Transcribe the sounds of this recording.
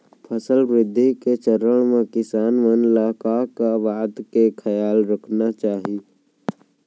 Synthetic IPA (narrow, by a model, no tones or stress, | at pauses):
pʰəsəlʋɾɪd̪ʱːiket͡ʃəɾəɽ̃mẽkɪsaːnmənlaːkakaʋaːd̪kekʰəjaːlɾəkʰnat͡ʃaːɦi